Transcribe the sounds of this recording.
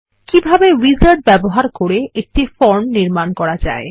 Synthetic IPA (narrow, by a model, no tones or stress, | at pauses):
kibʱabewid͡ʑaɾʈ̚bɛboɦaɾkoɾeʔek̚ʈifɔɾmniɾmankɔɾad͡ʑa̰e